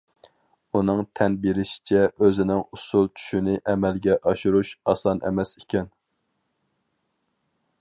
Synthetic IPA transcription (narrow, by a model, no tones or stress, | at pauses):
unɨŋt̪ʰɛnbiɾɪʃi̥t͡ʃʰɛʔøzɪnɪŋusulˠt͡ʃʰy̥ʃynɪʔɛmɛlɡʲɛʔɑʃuɾuʃɑsɑnɛ̰mɛse̥kʲɛn